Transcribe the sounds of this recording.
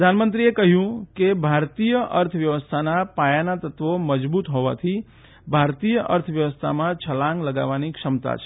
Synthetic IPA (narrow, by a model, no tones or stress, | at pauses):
pɾəd̪ʱanmənt̪ɾiekəɦjũkebʱaɾt̪ijəʔəɾt̪ʰəʋjəʋəst̪ʰanapajanat̪ət̪ʋoməd͡ʒbut̪ɦoʋa̰t̪ʰi | bʱaɾt̪ijəʔəɾt̪ʰəʋjəʋəst̪ʰa̰mãt͡ʃʰəlãŋɡləɡa̰ʋanikʂəmt̪a̰t͡ʃʰe